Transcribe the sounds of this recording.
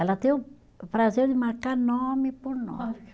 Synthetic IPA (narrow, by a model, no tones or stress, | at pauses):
ɛlɐt̪ẽj̃ʊ̃ | pɾazeɾd̪ɪmaɾkaɾnõmɪpoɾnɔ̰s